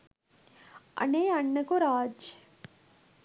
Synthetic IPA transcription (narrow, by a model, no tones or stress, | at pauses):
ɐ̰neːɐɳːɐkuɾaːd͡ʒ